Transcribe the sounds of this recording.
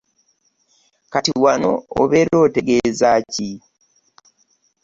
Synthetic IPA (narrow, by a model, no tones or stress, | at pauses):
katiwano̰o̰βeːɾo̞ːte̞ɡe̞ːzaci